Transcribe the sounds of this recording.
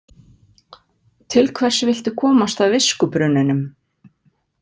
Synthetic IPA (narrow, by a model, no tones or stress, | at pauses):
t̪ʰɪlkʰvɛr̥sɪvɪl̥t̪ʏkʰɔːmast̪awvɪskʏpɾʏnːʏnʏm